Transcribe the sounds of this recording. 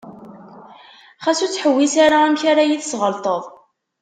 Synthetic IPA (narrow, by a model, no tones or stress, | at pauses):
χæsut͡sːħəwːisaɾaæmçaɾajiθsʁəlt̪ˤəðˤ